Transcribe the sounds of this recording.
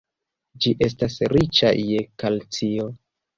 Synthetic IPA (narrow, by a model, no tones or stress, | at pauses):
d͡ʒiʔe̞s̬tasɾit͡ʃa̰jekalt͡sio